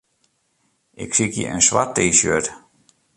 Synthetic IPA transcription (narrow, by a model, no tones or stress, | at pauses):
ʔɪksikjə̰ʔənswa̰tːeːsø̰t